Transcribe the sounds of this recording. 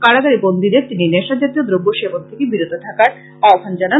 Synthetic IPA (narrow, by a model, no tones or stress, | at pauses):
kaɽaɡaɾibond̪id̪eɾt̪inineʃad͡ʑat̪iod̪ɾobːoʃebont̪ʰekebiɾud̪ʱot̪ʰakaɾ | aobʱand͡ʑana